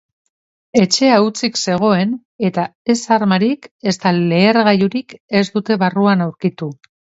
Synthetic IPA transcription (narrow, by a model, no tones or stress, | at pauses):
e̞t͡ʃe̞aut͡sikse̞ɣ̞o̞e̞n | e̞t̪ae̞saɾmaɾike̞st̪ale̞ːɾɣajuɾike̞zd̪ut̪e̞βaruanawɾkit̪u